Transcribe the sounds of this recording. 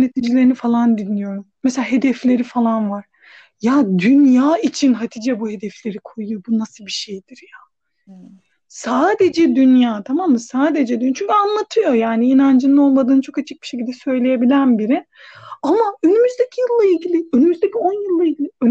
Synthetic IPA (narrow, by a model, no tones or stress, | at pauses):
net̪ʰid͡ʒilʲeinifalˠand̪inːijo̞ɾumːeselʲaːɦe̞d̪ɛflʲe̞ɾifalˠanvaɾ̥ | jad̪ynjaːit͡ʃʰinɦad̪ʰid͡ʒɛbuhe̞d̪ɛflʲe̞ɾikʰo̞jujobunasɯlˠbiʃejd̪iɾja | saːd̪e̞d͡ʒɛd̪ynjaːt̪ʰamamːɯsaːd̪e̞d͡ʒɛd̪ynt͡ʃʰyɲcʰʲyanlˠat̪ʰɯjo̞jaːniːnand͡ʒɯnino̞lˠmad̪ɯːnt͡ʃʰo̞kat͡ʃʰik̚bi̥ʃecilʲd̪ɛsø̞jlʲe̞je̞bilʲænbiɾɪ | amaønymyzd̪ecʰijɯlˠːailʲɟilʲiønymyzd̪ecʰio̞njɯlˠːailʲɟilʲiøn